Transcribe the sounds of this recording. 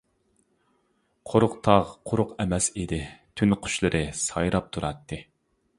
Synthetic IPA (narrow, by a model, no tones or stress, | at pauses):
qʰoɾʊqt̪ʰɑʁqʰʊɾʊqɛmɛsid̪ɪt̪ʰynqʰʊ̥ʃlˠɨɾʔɨsɑjɾɑp̚t̪ʰuɾɑt̪ʰːɨ